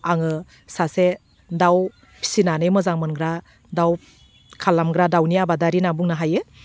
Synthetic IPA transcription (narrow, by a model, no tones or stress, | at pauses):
aŋɯ | sase | daw | pʰi̥sinanɯjmɯzaŋmɯnɡɾa | daw | kʰalːamɡɾadawniabadaɾinabuŋnaɦajɯ